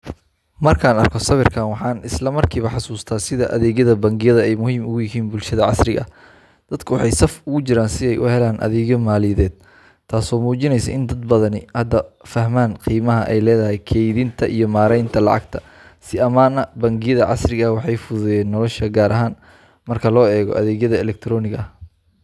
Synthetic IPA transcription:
mɐrkʰaːnɐrkʰɔsɐβɪrkʰaːnwɑħɑːnɪslɐmɐrkʰiːβɐħɑsuːst̪ʰaːsɪðɐʔɐ̰ðɛːɣjɐðɐbɐŋɡɪjɐðɐɛjmʊhiːmʊɣʊjɪɦiːnbʊlʃɐðɐʕɑ̰srɪɣɐ̰ | d̪̥ɐd̪kʰʊwɑħɑjsɐfʊɣʊt͡ʃɪɾaːnsɪɛjʔʊ̰hɛlaːnʔɐ̰ðɛːɣjɔmaːlɪjɐðɛːd̪̚ | t̪ʰːaːsɔːmuːt͡ʃɪnɛjsɐ̰ʔɪnd̪ɐd̪̚bɐðɐnɪhɐd̪ːɐfɐhmaːnqiːmɐɦɐʔɛjlɛːðɐɦɛjkʰɛjðɪnt̪ʰɐʔijɞmaːɾɛjnt̪ʰɐlɑ̰ʕɑ̰ɡ̚t̪ʰɐ̥ | sɪɐmaːnɐbɐŋɡɪjɐðɐʕɑ̰srɪɣɐwɑħɑjfʊðʊjɛːnːɔlɔʃɐɡaːɾʔɐɦaːn | mɐrkʰɐlɔːɛːɣɔ̰ʔɐðɛːɣjɐðɐɛlɛk̚t̪ʰɾɔːnɪɣɐɐh

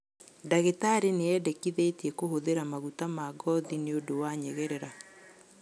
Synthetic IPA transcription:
daɣetaɾeneɛdɛkiðeitiɛkoɦoðeɾamaɣutamaːɡɔðineodowaɲɛɣɛɾɛɾa

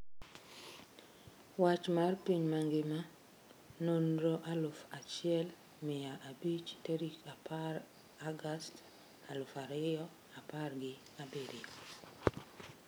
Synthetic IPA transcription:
wat͡ʃmarpiɲmaŋɡɪma | nonɾoʔalʊfat͡ʃɪɛl | mɪjaʔabit͡ʃtoɾikapar | aɡast | alʊfaɾɪjɔ | aparɡɪ | abedi

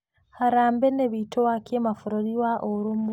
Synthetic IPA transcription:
haɾaːmbeneβitʰowakjemafuɾoɾiwaʔoɾum

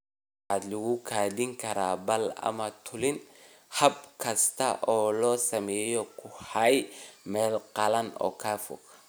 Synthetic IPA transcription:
ħaːd̪lʊɣʊkʰaːd̪ɪŋkʰɐɾaːbɐlɐ̰mɐt̪ʰʊlɪn | hɐb̚kʰɐst̪ʰɐ̰ʔɔːlɔːsɐmɛːjɔkʰʊhɐjmɛːlqɑlɐnɔ̰ːkʰaːfɔ̰ɡ

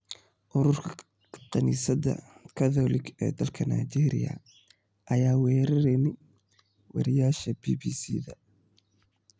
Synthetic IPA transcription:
ʔʊɾʊrkʰɐ | qɐniːsɐdɐ̰kʰɐðɔːlɪɡɛ̰ːd̪ɐlkʰɐnajt͡ʃɛːɾɪ̰jɐ̰ | ʔɐjaːwɛːɾɐɾɛnɛ | wɐ̰ɾɪjaːʃɐbiːbiːsiːðɐ

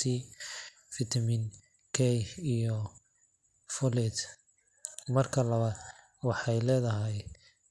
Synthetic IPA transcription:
i | fɪt̪ʰɐmɪn | kʰɛjijɔ | fɔlɛd̪ | mɐrkʰɐlɐβaːd | wɑħɑjlɛːðɐɦɛj

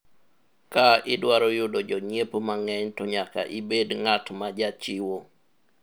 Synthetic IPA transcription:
kaɪdwaɾɔjʊdod͡ʒɔɲepomaŋɛɲtɔɲaka̰ʔibedŋatmad͡ʒat͡ʃɪwo

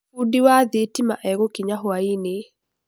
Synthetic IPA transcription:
udiwaðetimaʔɛɣokiɲaɦwaine

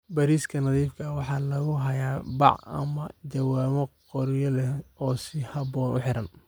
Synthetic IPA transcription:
bɐɾiːskʰɐnɑðiːfkʰɐwɑħɑːlɐɣʊɦɐjaːbɑ̰ʕɐ̰mɐt͡ʃɐwaːmɐqɔɾjɐlɛɔːsɪhɐbɔːnʔʊ̰ħɪɾɐn

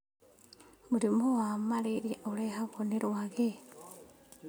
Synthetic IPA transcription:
muɾimoamaleɾiʔolehaβoneɾwaɣe

